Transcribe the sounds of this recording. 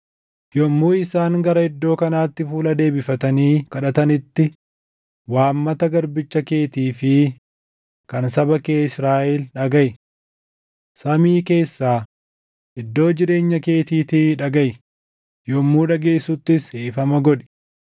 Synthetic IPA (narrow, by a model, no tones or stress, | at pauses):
jɔmːuːɪsaːŋɡɐɾɐhɛd̪ːo̞ːkɐnaːt̪ːɪfuːlɐd̪e̞ːbɪfɐt̪ɐniːkɐᶑɐt̪ɐnɪt̪ːɪ | waːmːɐt̪ɐɡɐɾbɪt͡ʃːɐke̞ːt̪iːfɪ | kɐnsɐbɐkeːɪsɾaːʔɛlᶑɐɡɐj | sɐmiːke̞ːsːaː | ʔɪd̪ːo̞ːd͡ʒɪɾe̞ːɲːɐke̞ːt̪iːt̪ɪᶑɐɡɐj | jɔmːuːᶑɐɡe̞ːsːʊt̪ːɪsheːfɐmɐɡɔᶑɛ̥